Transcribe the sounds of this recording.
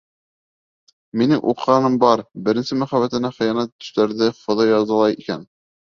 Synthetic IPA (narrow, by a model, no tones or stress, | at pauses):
minɘŋʔṵqːɑnɤmbɑɾbɘ̆ɾɘ̆nsɘmæχæβæt̪ɘ̆næχɘ̆jɑnæt̪ːɵ̥̆ʃt̪æɾðɘfŏðɑjɑzɑ̆lˠɑjikæ̰n